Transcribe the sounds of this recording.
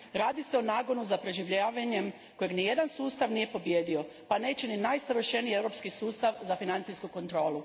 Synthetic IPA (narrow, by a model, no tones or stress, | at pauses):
ɾaːd̪ise̞o̞naːɡo̞nuzapɾe̞ʒiʋʎaːʋaɲe̞m | ko̞jeɡnije̞d̪ansuːst̪aʋnije̞po̞bje̞ːd̪io̞ | pane̞ːt͡ɕeninajsaʋərʃe̞nijiewɾo̞pskisuːst̪aʋzafinant̪siskuko̞nt̪ɾo̞ːlˠu